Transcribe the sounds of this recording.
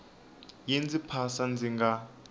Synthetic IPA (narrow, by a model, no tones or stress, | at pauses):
jend͡zipʰasand͡zʱiŋɡa